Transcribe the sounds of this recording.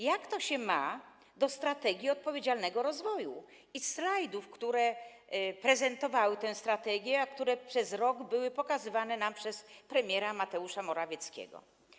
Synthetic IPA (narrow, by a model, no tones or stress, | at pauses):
jakt̪ɔɕɛma | d̪ɔst̪ɾat̪ɛɡʲiɔt̪̚pɔvʲjed͡ʑalnɛɡɔɾɔzvɔju | islajd̪ufkt̪uɾɛ | pɾɛzɛnt̪ɔvawɘt̪ɛ̃w̃st̪ɾat̪ɛɡʲjɛakt̪uɾɛpʂɛzɾɔɡbɘwɘpɔkazɘvanɛnampʂɛspɾɛmʲjɛɾamat̪ɛuʂamɔɾavʲjɛt̪skʲɛ̰ɡɔ̰